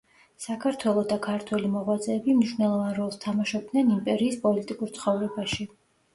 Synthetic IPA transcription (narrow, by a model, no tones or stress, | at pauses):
sakʰaɾt̪ʰwɛlˠɔd̪akʰaɾt̪ʰwɛlimɔʁwat̪zʼɛːbimniʃwnɛlˠɔvanɾɔlˠst̪ʰamaʃɔb̚d̪nɛnimpʼɛɾiːspʼɔlit̪ʼikʼuɾt̪sʰχɔvɾɛbaʃi